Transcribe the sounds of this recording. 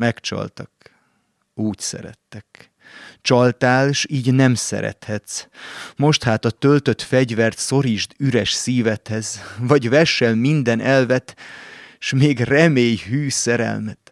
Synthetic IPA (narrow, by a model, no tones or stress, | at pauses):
mɛkt͡ʃɒ̰lt̪ɒk | uːcsɛ̰ɾɛ̰t̪ːɛk̚ | t͡ʃɒlt̪aːlʃiːɟnɛmsɛ̰ɾɛ̰t̪hɛt̪smo̞ʃt̪haːt̪ɒt̪ølt̪ø̞t̪fɛɟvɛrt̪so̞ɾiʒd̪yɾɛʃsiːvɛt̪hɛzvɒɟvɛʃɛlmind̪ɛnʔɛlvɛt̪ | ʃmeːɡrɛmeːjhyːsɛɾɛ̰lmɛt̪